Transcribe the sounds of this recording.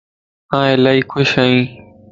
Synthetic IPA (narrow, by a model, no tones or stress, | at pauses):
ãːelaːiːkʰʊʃaːĩː